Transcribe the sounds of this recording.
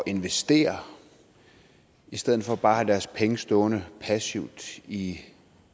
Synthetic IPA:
ɒ̽ʔe̝nʋesd̥e̝̰ːɐ | isd̥eð̰̩ˠfɒ̽b̥ɑ̈ːhæd̥æɐspʰeŋəsd̥ɔ̽ːnəpʰæsiʊd̥i

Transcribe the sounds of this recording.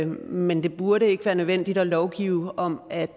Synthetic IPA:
mend̥e̝b̥uɐɾəe̝ɡ̥əʋæːɐnøʋen̰d̥id̥ɒlɒʊɡ̥ḭːʊɒ̽mæ̥

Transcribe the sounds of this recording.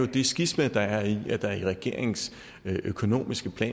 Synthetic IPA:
jo̝d̥e̝sɡ̥ism̥ed̥ɑ̈æɐid̥ɑ̈ɐiʁɛɡ̥e̝̰ɐ̰e̝ŋŋ̩s | ʔøkʰo̝no̝̰ːmisɡ̥əpʰlɛ̰ː

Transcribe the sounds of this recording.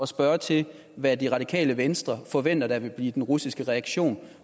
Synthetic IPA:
ɒ̽sb̥ɶːɐt͡sʰe̝ | ʋæd̥iʁɑ̈ɾ̥ikʰɛ̰ːləʋensd̥ʁɐfɒ̽ʋen̰d̥ɐd̥æ̈ʋe̝b̥liːd̥enʁusisɡ̥əʁɛɑ̈ɡ̥ɕo̝̰ːn

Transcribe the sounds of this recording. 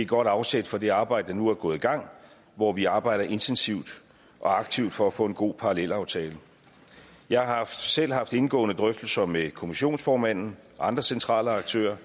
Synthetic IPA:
e̝ɡ̥ɒ̽ɾ̥ɑ̈ʊsed̥fɒ̽d̥e̝ɑ̈ːb̥ɑ̈ɪd̥əd̥ɑ̈nuæɐɡ̥ɔ̽ːð̩ˠiɡ̥ɑ̈ŋ̰ | ʋɒʋiɑ̈ːb̥ɑ̈ɪ̰ɾ̥ɐʔe̝nt͡sʰensiʊ̰d̥ | ʔɒ̽ɑ̈ɡ̥t͡sʰiʊ̰d̥fɒ̽æfɔ̰̽ːe̝nɡ̥o̝̰ːpʰɑ̈ʁɑlel̰ɑ̈ʊt͡sʰɛːlə | jɑ̈ɪhɑ̈hɑfd̥sel̰ɦɑ̈fd̥e̝nɡ̥ɔ̰̽ːnəd̥ʁœfd̥l̩sɐmekʰo̝miɕo̝̰ːnsfɒːmæn̰n̩ʔɑ̈nd̥ʁɐsent͡sʰʁɑ̰̈ːləɑ̈ɡ̥̚t͡sʰø̰ːɐ

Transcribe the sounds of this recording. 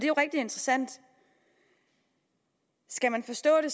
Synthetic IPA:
d̥e̝jo̝ʁɛɡ̥̚d̥ie̝nd̥ʁɐsæn̰d̥ | sɡ̥æmænfɒ̽sd̥ɔ̰̽ːd̥e̝

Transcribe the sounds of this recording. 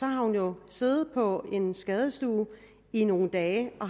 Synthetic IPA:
sɒ̽hɑ̈hunjo̝se̝ːðð̩ˠpʰɒ̽e̝nsɡ̥ɛð̞ˠəsd̥ṵː | ino̝ːn̩d̥ɛːʔɒ̽

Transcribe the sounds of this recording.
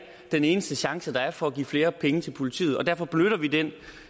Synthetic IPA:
d̥ene̝ːnəsd̥əɕɑ̈ŋsəd̥ɑ̈æɐfɒ̽æɡ̥ḭːfle̝ːɐpʰeŋət͡sʰe̝lpʰo̝lit͡sʰḭːð̩ˠɒ̽d̥æɐ̰fɒ̽b̥nøɾ̥ɐʋid̥en

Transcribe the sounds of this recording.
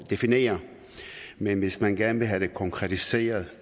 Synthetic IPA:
d̥e̝fine̝̰ːɐ | menʋe̝smænɡ̥æɐnʋe̝ɦæd̥e̝kʰɒ̽ŋkʰʁɛt͡sʰise̝̰ːɐð̞ˠ

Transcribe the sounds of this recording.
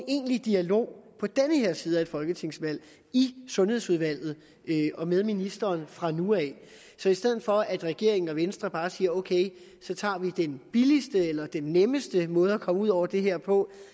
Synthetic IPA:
ne̝̰ːnlid̥iælo̝̰ːpʰɒ̽d̥enəheɐ̰siːð̞ˠæe̝d̥fɒ̽lɡ̥ət͡sʰe̝ŋ̰sʋæl̰ | isɔ̽nhe̝ðˠsuð̞ˠʋæl̰ð̞̩ˠ | øʔɒ̽með̞ˠminisd̥ɐːnfʁɑ̈nuɛː | sɒ̽isd̥eð̰̩ˠfɒ̽æd̥ʁɛɡ̥e̝ɐ̰e̝ŋn̩ɒ̽ʋensd̥ʁɐb̥ɑ̈ːsiːɐoʊkʰeɪ | sɒ̽t͡sʰɑ̰̈ːʋid̥enb̥ilisd̥əelɐd̥enːeməsd̥əmɔ̽ːð̞̩ˠækʰɒ̽məuð̞̰ˠɒ̰ʊ̰ɐd̥e̝ɦeɐ̰pʰɒ̽

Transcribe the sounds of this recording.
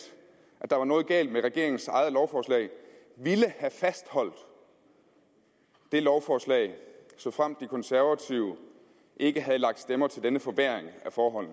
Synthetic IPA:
ʔæd̥ɑ̈ʋɑ̈nɔ̽ːð̩ˠɡ̥ɛ̰ːld̥̚meʁaɡ̥e̝ɐ̰eŋn̩sɑ̈ɪð̩ˠlɒʊfɒːslɛ̰ɪ | ʋiləhæfæsd̥hɒ̽l̰d̥ | d̥e̝lɒʊfɒːslɛ̰ɪsɒ̽fʁam̰d̥ːikʰɒ̽nsæɐʋæt͡sʰiʊə | ʔe̝ɡ̥əɦæð̞̩ˠlɑ̈ɡ̥̚d̥sd̥emɐt͡sʰe̝ld̥enəfɒ̽b̥eɐ̰eŋæfɒːɦɒ̽l̰n̩

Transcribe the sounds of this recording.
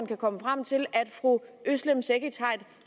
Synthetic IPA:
nkʰækʰɒ̽məfʁam̰t͡sʰe̝læd̥fʁuøslemseɡ̥it͡sʰɑ̈ɪ̰d̥

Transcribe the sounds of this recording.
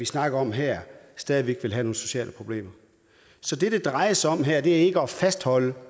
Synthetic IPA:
isnɑ̈ɡ̥ɐɒ̽mɦɛɐ̰sd̥ɛːð̞ˠiʋeɡ̥ʋe̝lɦæno̝ːn̩so̝ɕɛ̰ːləpʰʁo̝b̥le̝̰ːmɐ | sɒ̽d̥e̝d̥ed̥ʁɑ̈ɪɐsɒ̽m̰ɦæɐ̰d̥e̝æɐe̝ɡ̥əɒ̽fæsd̥hɒ̽lə

